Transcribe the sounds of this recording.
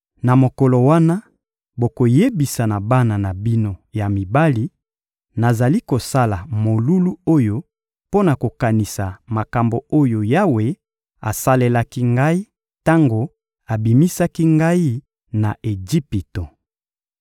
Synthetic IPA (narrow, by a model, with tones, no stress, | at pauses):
na˨mo˨kɔ˨lo˨wa˦na˦ | bo˨ko˨je˦bi˨sa˨na˨ba˦na˨na˨bi˦no˦ja˨mi˨ba˦li˦ | na˨za˨li˦ko˨sa˦la˨mo˨lu˦lu˦o˦jo˦ | po˦na˨ko˨ka˨ni˨sa˨ma˨ka˨mbo˨o˦jo˨ja˦we˦ | a̰˨sa˦le˦la˦ki˦ŋɡa˦i˦ | ta˦ŋɡo˨ | a˨bi˨mi˦sa˦ki˦ŋɡa˦i˦ | na˨ʔe˨d͡ʒi˦pi˨to˨